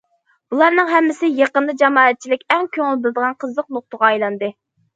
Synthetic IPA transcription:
b̥ulˠɑɾnɨŋɦɛmːɪsɪjeqənd̪ˠɨd͡ʒɑmɑːɛt̪̚t͡ʃʰilɪkʲɛŋkʲʰøŋɪlbɪlɪd̪əʁɑnqʰəzlˠəq̚noχt̪əʁɑɑjlˠɑnd̪ɨ

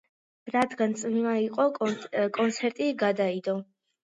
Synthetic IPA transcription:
ɾad̪ɡant̪sʼmimaiqʼɔkʼɔnt̪sʰɛɾt̪ʼiɡad̪aid̪ɔ

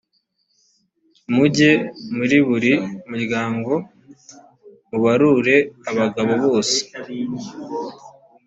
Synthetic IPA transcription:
muɟe̞muɾiβuɾimuɾɡaːŋɡo̞ | muβaɾuɾe̞aβaɡaβo̞βo̞ːse̥

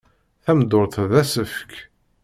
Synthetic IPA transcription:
θæmd̪ʊɾθðæsəfk

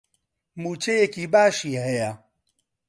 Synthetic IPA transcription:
mut͡ʃejekibaːʃiɦeja

